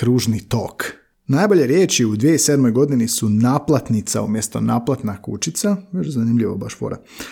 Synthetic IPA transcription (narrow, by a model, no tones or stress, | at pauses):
ɾuːʒnit̪o̞̰ːk | naːjboʎe̞ɾjeːt͡ʃiud̪ʋijeise̞d̪mojɡo̞d̪inisunaːplˠat̪nit̪sa̰umjest̪o̞̰naːplˠat̪nakṵt͡ʃit̪saʋed͡ʒzanimʎiʋo̰baʃfo̰ɾa̰